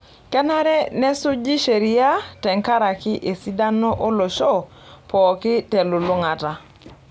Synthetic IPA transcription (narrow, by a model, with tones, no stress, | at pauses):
kɛ˦na˦ɾɛ˦nɛ˦sʊ˦d͡ʒi˦ʃe˨ɾi˦a˦tɛ˨ŋka˦ɾa˨kɪ˦ʔe˨si˦da˦nɔ˦ʔɔ˦lɔ˨ʃɔ˦˨ | pɔː˨kɪ˦tɛ˨lu˨lʊ˦ŋa˨ta˨